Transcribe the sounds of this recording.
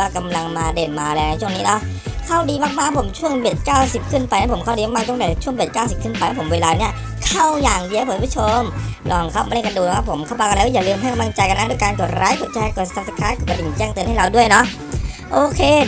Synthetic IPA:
aː˧˩ka˧mla˧ŋmaː˧deː˨˩nmaː˧lɛː˧˩wna˧˦jt͡ɕʰu˥˩əŋniː˦˥nɔ˦˥ʔ | kʰa˥˩wdiː˧maː˧˩k̚maː˥˩pʰo˩˦mt͡ɕʰu˥˩əŋbe˨˩t̪̚kaː˥˩wsi˨˩p̚kʰɯ˥˩npa˧jnaː˦˥˩pʰo˩˦kʰa˥˩wdiː˧˥˩maː˧˥˩u˥˩ə˨ba˨˩t͡ɕʰu˥˩ŋbe˨˩t̪̚kaː˥˩wsi˨˩p̚kʰɯ˥˩npa˧jnaː˦˥pʰo˩˦mweː˧laː˧ni˥˩ɐ | kʰa˥˩wjaː˨˩ŋdi˧a˥˧pʰpʰːt͡ɕʰo˧mlɔː˧˩ŋkʰa˦˥˩ma˧lka˧duː˨˩˧kʰa˦˥˩pʰo˩˦mkʰa˥˩wpa˧kaː˧˥˩jaː˨˩lɯː˧mha˥˩jka˧mla˧ŋt͡ɕa˧jka˧naː˦˥duː˥˩˨jkaː˧nko˨˩t̪̚ɾʔaː˧˥jko˨˩t̪̚t͡ɕʰa˧ko˨˩t̪̚sa˧˩sa˧˥kʰaː˦˥kɔ˧˨˩kdi˨˩nt͡ɕɛː˥˩ŋt̪ɤ˧nha˥˩jɾa˧wdu˥˩əjnɔ˦˥ʔ | ʔoː˧kʰeː˧

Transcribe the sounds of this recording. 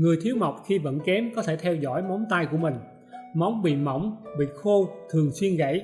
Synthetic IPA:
ŋɨ˨˩əjt̪ʰi˨˦əwma˨˩wk͡p̚xi˧və̰˧˥nkɛ˨˦mkɔ˨˦t̪ʰe˧˩t̪ʰɛ˧wzɔ̰˧˥jma˨˦wŋ͡mt̪aː˧jku˧˩əmï˨˩ŋ̟ | ma˨˦wŋ͡mɓḭ˧˨ma˧˩wŋ͡mɓḭ˧˨xo˧t̪ʰɨ˨˩əŋswi˧ənɣə̰˧˩j

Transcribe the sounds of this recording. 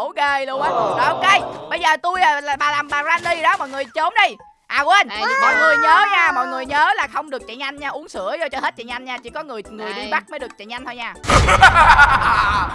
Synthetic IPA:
o˧˨ke˧˩lʔə˨˦ɔː˧˩ʔo˨ke˧jɓə˧jzəː˨˩t̪u˧jaː˨˩la˨˩ɓaː˨˩laː˨˩mɓaː˨˩zaː˧nli˧˨ɗɔ˨˦mɔ̰˨jŋɨ˨˩əjt͡ɕo˨˦nɗi˧j | ʔaː˨˩we˧˩nmɔ̰˨jŋɨ˨˩əjɲəː˨˦ɲaː˧mɔ̰˧˨jŋɨ˨˩əjɲəː˨˦laː˨˩xə˧wŋ͡mɗɨ˨˩ək̚t͡ɕa̰˧˨ɲa˧jŋ̟ɲaː˧ʔu˨˦əŋsɨ̰˧˥əzɔ˧t͡ɕɔ˧he˦˥t̚t͡ɕa̰˧˨ɲa˧jŋ̟ɲaː˧t͡ɕḭ˧˩˦kɔ˨˦ŋɨ˨˩əjŋɨ˨˩əjɗi˧ɓa˦˥t̚mə˨˦ɗɨ˨˩ək̚t͡ɕa̰˧˨ɲa˧ŋ̟t̪ʰo˧jɲaː˧˩

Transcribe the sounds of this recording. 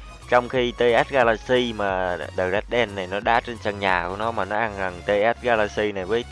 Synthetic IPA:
t͡ɕɔ˧wŋ͡mxi˧t̪e˧ʔa˦˥t̚ɣaː˧laː˧si˧maː˨˩ɗəː˨˩k̚ɗa˦˥t̚ɗɛ˧nːa˨˩jnɔ˨˦ɗaː˨˦t͡ɕe˧nt͡ɕə˧˩ŋɲaː˨˩ku˧˩ənɔ˨˦maː˨˩nɔ˨˦ʔa˧nza˨˩ŋt̪e˧ʔa˦˥t̚ɣaː˧laː˧si˧na˨˩jvəː˨˦j

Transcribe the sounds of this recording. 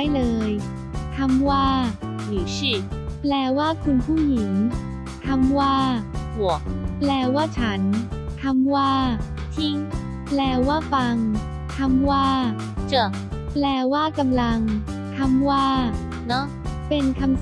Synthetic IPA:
jlɤː˧j | t̪ʰa˧mwaː˥˩ | iː˨˩˥plɛː˧waː˥˩kʰu˧npʰuː˥˩ji˩˦ŋ | t̪ʰa˧mwaː˥˩bu˨˩ək̚plɛː˧waː˥˩t͡ɕʰa˦˥nt̪ʰa˧mwaː˥˩ | t̪ʰi˦˥˩ŋ | plɛː˧waː˥˩fa˧ŋ | k̪ʰa˧mwaː˥˩ | t͡ɕɤ˧˩ | plɛː˧waː˥˩ka˧mla˧ŋ | t̪ʰa˧mwaː˥˩ | nɔ˦˥ | pe˧nkʰa˧ms

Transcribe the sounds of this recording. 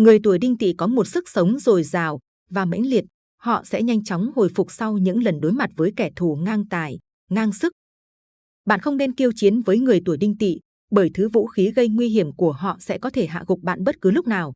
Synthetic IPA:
ŋɨ˨˩əjt̪u˧˩əjɗï˧ŋ̟t̪ḭ˧˨kɔ˨˦mo˨˩t̚sɨ˦˥k̚sə˨˦wŋ͡mzo˨˩jzaː˨˩w | vaː˨˩mə̰˧˥jŋ̟li˨˩ət̚ | hɔ̰˧˨sɛ̰˧˥ɲa˧jŋ̟t͡ɕɔ˨˦wŋ͡mho̰˧˨˩jfʊ˨˩k͡p̚sa˧wɲɨ̰˧˥ŋlə˨˩nɗo˨˦jma˨˩t̚vəː˨˦jkɛ˧˩t̪ʰu˧˩ŋaː˧ŋt̪aː˧˩j | ŋaː˧ŋsɨ˦˥k̚ | ɓa̰ː˧˨nxə˧wŋ͡mne˧nki˧əwt͡ɕi˨˦ənvəː˨˦jŋɨ˨˩əjt̪u˧˩əjɗï˧ŋ̟t̪ḭ˧˨ | ɓəː˧˩jt̪ʰɨ˨˦vṵ˧˥xi˨˦ɣə˧jŋwi˧ɦi˧˩əmku˧˩əɦɔ̰˧˨sɛ̰˧˥kɔ˨˦t̪ʰe˧˩ɦa̰ː˧˨ɣʊ˨˩k͡p̚ɓa̰ː˧˨nɓə˦˥t̚kɨ˨˦lʊ˦˥k͡p̚naː˨˩w

